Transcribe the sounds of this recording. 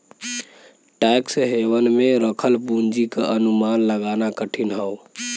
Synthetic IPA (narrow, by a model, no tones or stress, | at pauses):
ʈajksəɦewənmeɾəkʰəlbund͡ʒikeʔənumanləɡanakəʈʰinɦəw